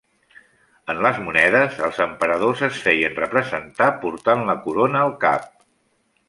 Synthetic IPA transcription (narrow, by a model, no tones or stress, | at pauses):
ənləzmunɛðəzəlˠzəmpəɾəð̞ozəsfɛjənrəpɾəzənt̪apuɾt̪anləkuɾonəːlˠka̰p̚